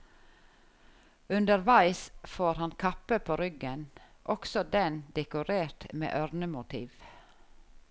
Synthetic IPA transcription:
ʉnd̪əɾʋæɪsfoːɾhɑnkʰɑpəpʰoːɾʏɡənʔɔksɔd̪ɛnd̪ɛkʊɾeːɾt̪mḛːʔœɾnəmʊt̪ʰḭːʋ

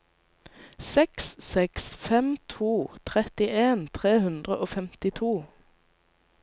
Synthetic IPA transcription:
sɛkssɛksfɛmt̪ʰuːt̪ʰʁɛt̪ɪʔeːnt̪ʰʁeːhʉnd̪ʁəʔoːfɛmt̪ɪt̪ʰuː

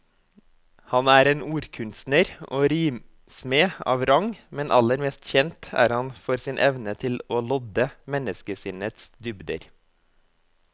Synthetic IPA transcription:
hɑnæːɾeːnuːɾkʰʉnst̪nəɾo̰ːɾiːm | smeːɑ̰ːʋɾɑŋmɛnʔɑləɾmɛːst̪çɛnt̪æ̰ːɾhɑnfɔɾsɪːnʔɛʋnət̪ʰɪloːlɔd̪əmɛnəskəsɪnət̪sd̪ʏbd̪ə̰ɾ

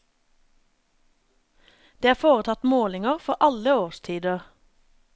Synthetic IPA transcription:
d̪̥eːæːfoːʁət̪ʰɑt̪moːlɪŋəʁfɔʁʔɑləoːʁst̪ʰiːd̪əʁ

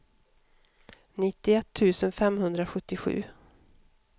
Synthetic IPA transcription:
nɪt̪ːɪɛt̪ʰːʉ̟ːsənfɛmhɵnd̪ɾaɧɵt̪ːɪɧʉ̟̰ː

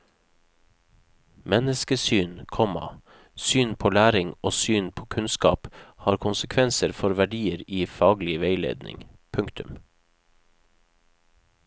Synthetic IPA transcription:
mɛnəskəsyːnkʰɔmɑ̰ | syːnpʰoːlæːɾɪŋoːsyːnpʰoːkʰʉnskɑ̰ːphɑːɾkʰʊnsəkʰʋɛnsəɾfɔɾʋæɖiːəɾiːfɑːɡlɪʋeɪlḛːd̪nɪ̰ŋ | pʰʉŋkt̪ʰʉm

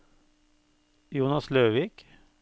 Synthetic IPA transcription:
juːnɑsløːʋiːk

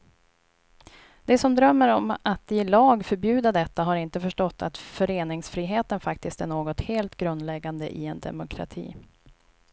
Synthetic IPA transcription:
d̪̥ɛsɔmd̪ɾœmːəɾɔmat̪ɪlɑːɡfœɾbjʉ̟ːd̪ad̪ɛt̪ːaɦaɾɪnt̪əfœʂʈɔt̪ːa̰t̪fœɾeːnɪŋsfɾiːɦeːt̪ənfakt̪ɪst̪æɳoːɡɔt̪heːlt̪ɡɾɵnd̪lɛɡːand̪ə̰ʔɪ̰ɛnd̪ɛ̰mʊkʰɾa̰t̪ʰḭː

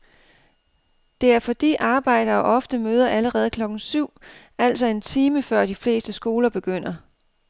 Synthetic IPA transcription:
d̥e̝æɐfɒ̽d̥ḭːʔɑ̈ːb̥ɑ̈ɪ̰ɾ̥ɐːʔɒ̽fd̥əmøːð̞ˠɐʔæləʁɛːð̞̩ˠkʰlɒ̽ɡ̥n̩syʊ̰ | æl̰sɒ̽e̝nt͡sʰiːməfɶɐ̰d̥ifle̝̰ːsd̥əsɡ̥o̝ːlɐb̥e̝ɡ̥øn̰ɐ

